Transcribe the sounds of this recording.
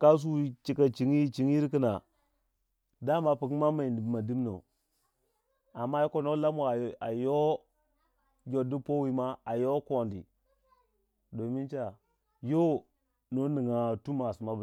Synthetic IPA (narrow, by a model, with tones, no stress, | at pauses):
ka˦s̬u˦wi˦t͡ʃi˨ka˨t͡ʃi˨ŋi˦t͡ʃi˨ŋ˦i˦ɾki˦na˨ | da˦ma˨pu˨ki˦ma˦ma˨i˨ndma˨di˦mno̰˨ | a˨mːa˦ko˦no˦la˦m˦˨a˨a˨jo˦ | d͡ʒo˨di˦po˦wi˨˦ma˦a˨jo˦ko˨ndḭ˨ | do˨mi˦nt͡ʃa˨ | jo˦ | no˦ni˨ŋa˨tu˦ma˨si˨ma˦b